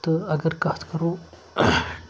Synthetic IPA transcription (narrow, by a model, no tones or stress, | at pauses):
t̪əɐɡəɾkat̪ʰkəɾo